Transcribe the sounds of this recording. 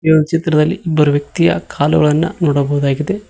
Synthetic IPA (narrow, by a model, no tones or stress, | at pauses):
joːnt͡ʃet̪ɾɐd̪ɐlːiibɐɾʋjɐk̚t̪ijɐ̰kʰaːluɡɐɭɐnːɐ̰nuːɽɐboʋuðaːɡid̪e